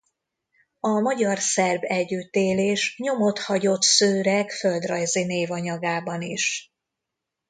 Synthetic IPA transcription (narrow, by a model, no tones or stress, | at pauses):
ɒmɒɟɒrsɛrbɛɟːyt̪eːleːʃɲo̞mo̞t̪hɒɟo̞t̪søːɾɛkføld̪rɒjzineːvɒɲɒɡaːbɒniʃ